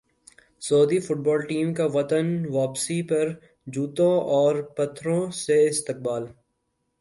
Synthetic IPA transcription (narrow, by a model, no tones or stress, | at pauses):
soːd̪ifʊʈ̚bɔːlʈiːmkaʋɐt̪ənʋaːpsipɐɾ | d͡ʒuːt̪õɔːɾpɐt̪ʰːɾõseɪst̪ɪq̚baːl